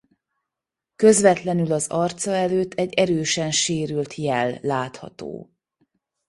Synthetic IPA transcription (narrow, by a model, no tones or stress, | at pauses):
kø̞zvɛt̪lɛnylɒzɒrt̪sɒɛløːt̪ʰːɛɟːɛɾøːʃɛnʃeːɾylt̪jɛlːaːt̪hɒ̰t̪o̰ː